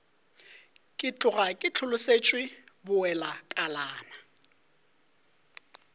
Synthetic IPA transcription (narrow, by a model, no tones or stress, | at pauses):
kʼɪt͡ɬʼʊɣakʼɪt͡ɬʰʊlʊset͡ʃʼwɪbʊɛlakʼalaːna